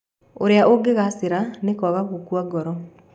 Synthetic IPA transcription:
oɾeaʔoɡeɣaseɾanekɔɣaɣokwaɡɔɾɔ

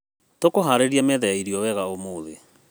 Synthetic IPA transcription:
tokoɦaɾeɾiamɛðɛaiɾiɔwɛɣaomoːðḛ

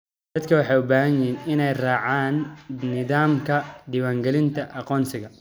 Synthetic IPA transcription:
d̪ɐd̪kʰɐwɑħɑjʊbaːɦɐɲɪinɪnɛjraːʕaːnːɪðaːmkʰɐɖɪwaːŋɡɛlɪnt̪ʰɐʔɑqɔːnsɪɣɐ

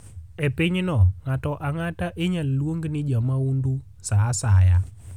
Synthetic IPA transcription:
epɪɲnɔŋatɔʔaŋataʔeɲalːwoŋɡnɪd͡ʒamaundu | sasaja

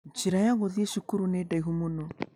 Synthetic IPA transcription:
t͡ʃiɾajaɣoðieʃukuɾunedaiɦumunɔ

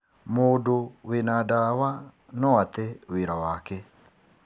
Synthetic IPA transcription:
modowenadawa | nɔwat̪ɛwiɾawakɛ

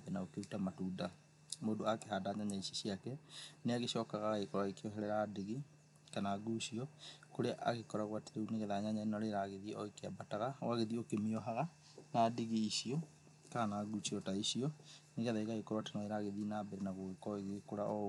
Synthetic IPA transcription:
bnaokeɾutamatuːda | moːdoakeɦadaɲaɲaisiɕiakɛneaɣeɕɔːkaɣaaekɔɾaekeɔɦɛɾɛɾadeɣi | kanaɡuɕiɔkoɾeaʔa̰ɣekɔɾaɣwateɾeuneɣɛðaɲaɲaenɔɾeɾaɣeðiɔekeabataɣawaɣeðiokemiɔɦaɣa | nadeɣiːsiɔ | kanaɡusiɔtaiɕiɔneɣɛðaiɣaɣekoɾatanaeɾaɣeðinabɛɾenaɣoɣekɔeɣekoɾaɔ

